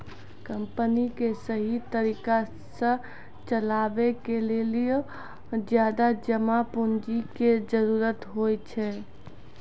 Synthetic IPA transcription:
kəmpənikesəɦit̪əɾika | sə̃ | t͡ʃəlabekelelijo | d͡ʒjad̪ad͡ʒəmapund͡ʒiked͡ʒəɾuɾət̪ɦojt͡ʃʰɛ

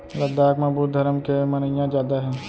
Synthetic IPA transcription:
lɐd̪aːkmaːbuːt̪̚d̪ʱɐɾəmkemɐnəjãzjaːd̪aɦɛ̃ː

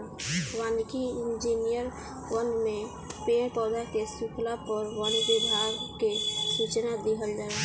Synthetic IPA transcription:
ʋankiind͡ʒinijəɾ | ʋənmẽ | pẽpɔd̪ʱakesukʰlapəɾwanbid̪ʱaɾkesut͡ʃnad̪eɦəld͡ʒaːe

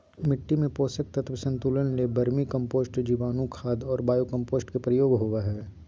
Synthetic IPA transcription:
mɪʈːimẽpoːsək̚t̪ɐt̪ʰʋəsɐ̃nt̪uːlənlebɐɾmikɐ̃mpoːsʈd͡ʒiːʋaːnũkʰaːd̪ɔːɾbaːjokɐ̃mpoːsʈkepɾəjoːɡɦoʋaɦɛː

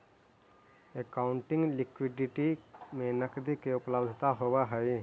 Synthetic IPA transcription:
ekaʊɳʈɪ̃ŋɡlikwiɖiʈimẽnəkd̪ikeʊpləbd̪ʱt̪aɦobaɦəj

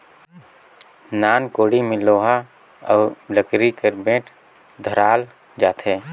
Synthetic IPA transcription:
naːnkoːɽimẽloːɦa | ɔːləkɾikəɾbẽːʈʰ | d̪ʱəɾaːl | d͡ʒaːt̪ʰɦeː

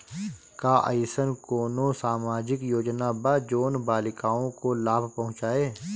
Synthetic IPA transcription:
kaʔə̰jɪsənkoːnõsaːmaːd͡ʒɪkjoːd͡ʒnabad͡ʒoːnbaːlɪkaːõkolaːbʱpɐɦʊ̃t͡ʃaːeː

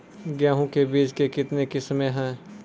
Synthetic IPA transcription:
ɡjaːɦõkebiːt͡ʃkekɪt̪nekɪsmẽɦɛ̃ː

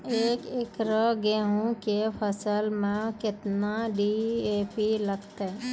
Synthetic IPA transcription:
eːkɪkɾəɡeːɦũkepʰəsəlmẽkɪt̪naɖieːpiləɡt̪eɛ

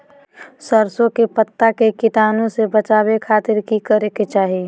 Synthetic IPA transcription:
səɾsõkepət̪ːakekɪt̪aːnõsebət͡ʃaːbekʰaːt̪ɪɾkikəɾeket͡ʃaːɦi

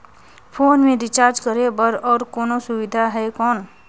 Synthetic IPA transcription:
pʰoːnmẽdɪt͡ʃaːɾd͡ʒkəɾebəɾɔːɾkɔːnosʊwɪd̪ʱaɦɛkɔːn

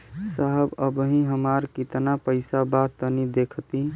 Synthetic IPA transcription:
saɦəbəbɦĩɦəmaɾkit̪napəɪsabat̪ənid̪ekʰt̪i

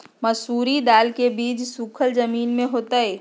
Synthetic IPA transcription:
mɐsuːɾid̪aːlkebiːd͡ʒsukʰəlzəmiːnmẽɦoːt̪aeː

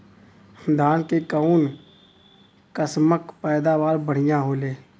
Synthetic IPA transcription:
d̪ʱaːnkekauːn | kəsməkpɛːd̪aːʋaːɾbəɽ̤ɪjãɦoːleː

